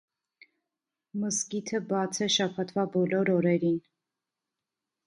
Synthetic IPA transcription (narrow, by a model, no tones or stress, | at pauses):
məskit̪ʰəbɑt͡sʰɛʃɑpʰɑt̪vɑbɔlɔɾɔɾɛɾin